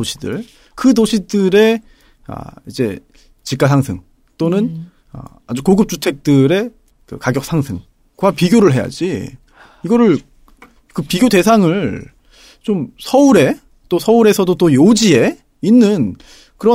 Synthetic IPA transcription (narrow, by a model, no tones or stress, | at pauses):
oɕʰidɯ̰ɭ | kɯdoɕʰidɯɾe̞ | a̰id͡ʑe̞̰ | t͡ɕik͈asʰaŋsʰɯŋ | t͈onɯn | a̰ | a̰d͡ʑukoɡɯp̚t͡ɕ͈utʰe̞k̚t͈ɯɾe̞ | kɯ̰kaɡjʌk̚s͈ʰaŋsʰɯŋ | ɡwapiɡjoɾɯɭɦe̞ja̰d͡ʑi | iɡʌɾɯɭ | kɯpiɡjode̞sʰaŋɯɭ | t͡ɕomsʰʌuɾe̞ | t͈osʰʌuɾe̞sʰʌdot͈ojod͡ʑie̞ | inːɯn | kɯɾʌ